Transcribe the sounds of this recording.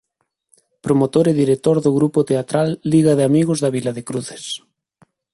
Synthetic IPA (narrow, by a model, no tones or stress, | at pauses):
pɾomot̪oɾeðiɾek̚t̪oɾðoɣɾupot̪eat̪ɾalːiɣaðeamiɣozðaβilaðekɾuθe̥s